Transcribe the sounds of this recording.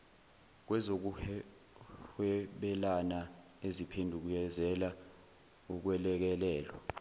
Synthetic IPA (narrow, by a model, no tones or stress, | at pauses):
k̬wɛzok̬uɛ | hɛɓɛlana | ezipʰendʱuk̬ujɛzɛla | uk̬wɛlɛk̬ɛlɛːlwa